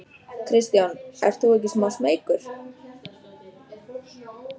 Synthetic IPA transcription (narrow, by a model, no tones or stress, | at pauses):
kʰɾɪst̪janɛ̰ft̪uɛc̬ɪsmasmejkʏɾ̥